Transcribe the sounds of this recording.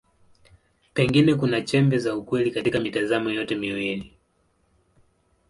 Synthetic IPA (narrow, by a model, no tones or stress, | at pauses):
pɛŋɡinɛkunat͡ʃɛmbɛzaukwɛlikatikamitazamɔjɔtɛmiwili